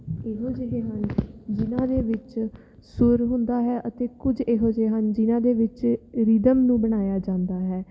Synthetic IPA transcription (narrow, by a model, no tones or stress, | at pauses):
eɦoːd͡ʒeɦeːɦənd͡ʒɪnãːd̪eːʋɪt͡ʃ | sʊɾɦʊ̃nd̪aːɦɛːʔət̪eːkʊd͡ʒeɦoːd͡ʒeːɦənd͡ʒɪnãːd̪eːʋɪt͡ʃɾɪd̪əmnũːbəɽ̃aːjaːd͡ʒãːnd̪aːɦɛː